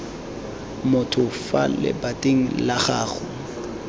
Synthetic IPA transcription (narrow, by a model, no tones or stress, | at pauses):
mʊtʰʊfa̰lɪ̰batʼeŋ̩laχaːχʊ